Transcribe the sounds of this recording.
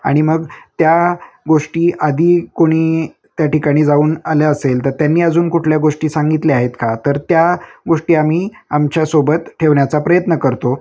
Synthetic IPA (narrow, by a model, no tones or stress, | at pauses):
a̰ɽ̃iməɡt̪ja | ɡoʂʈiːʔad̪ʱiːkoɽ̃iː | t̪jaʈikaɽ̃iːd͡zauːnaljaəselt̪əɾt̪janːiːəd͡zuːnkuʈʰljaɡoʂʈiːsaŋɡit̪leaɦet̪kat̪əɾt̪jaɡoʂʈiːam̤iː | amt͡ɕjasobət̪ʈʰeʋɳjat͡sapɾəjət̪nəkəɾt̪o